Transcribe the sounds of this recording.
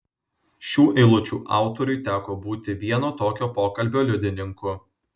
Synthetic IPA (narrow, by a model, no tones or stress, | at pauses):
ʃʲuːʔɛɪlˠʊt͡ʃʲuːʔɑ̰ˑʊt̪ɔɾʲʊjt̪ʲæːkoːbuːt̪ʲɪʋʲiɛnoːt̪oːkʲoːpoːkɐlʲbʲoːlʲʊd̪ʲɪnʲɪŋkʊ